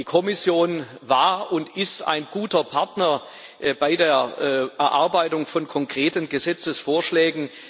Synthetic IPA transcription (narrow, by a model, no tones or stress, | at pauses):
iːkʰɔmɪsjoːnvaːɐʊntɪsta̰ɪnɡ̥uːtɐpʰaɐtnɐ | ʔb̥aɪdeːɐʔɛɐʔaɐbaɪtʊŋfɔnkʰɔŋkʁ̥eːtənɡəzɛt͡səsfoːɐʃlɛːɡŋ̩